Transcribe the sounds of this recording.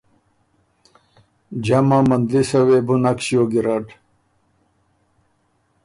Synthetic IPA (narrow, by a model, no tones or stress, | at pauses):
d͡ʑɐmãmɐnd̪lisɐwebunakɕjoːɡiɾaʈ